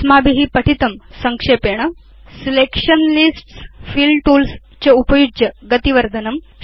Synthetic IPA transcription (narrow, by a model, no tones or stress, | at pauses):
smaːbiɦipɐʈʰit̪ɐmsɐŋkʂeːpeːɽ̃ɐ | silekʂɐnlisʈsfiːlɖʈuːls | t͡ɕeupɐjud͡ʒjɐɡɐt̪iʋɐɾd̪ʱɐnɐm